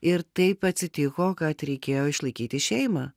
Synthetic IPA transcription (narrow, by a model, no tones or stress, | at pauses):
ɪɾt̪ɐɪpɐt̪ʲsʲɪt̪ʲɪkoːkɐt̪ɾʲɛɪkʲeːjoːɪʃlˠɐɪkʲiːt̪ʲɪʃʲɛɪmɑː